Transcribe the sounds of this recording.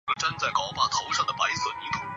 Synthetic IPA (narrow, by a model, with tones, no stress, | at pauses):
ʈ͡ʂɤ˥˧ŋt͡sa˥˩ɪkɑ˨˩ʊpa˥˩t̪ʰo˧˥ʊʂɑ˥˩ŋd̪ə˩pa˧˥ɪsɤ˨˩ni˧˥t̪ʰʊ˧˥